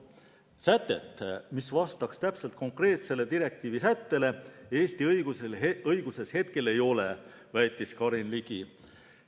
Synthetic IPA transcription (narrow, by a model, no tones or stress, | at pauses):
sæt̪ːˑe̞̰t̪ˑːmisvɑst̪ɑkst̪æpselt̪̚ko̞ŋkre̞ːt̪se̞le̞t̪iɾe̞kt̪iːvisæt̪ːe̞le̞eːst̪iɤjɡ̥useɤjɡ̥use̞she̞t̪ke̞le̞jo̞le̞ | væjt̪ːˑiskɑɾinliɡ̥i